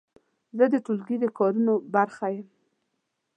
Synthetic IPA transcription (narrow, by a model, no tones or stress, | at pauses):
zəd̪əʈulɡid̪əkɑɾunobaɾxajəm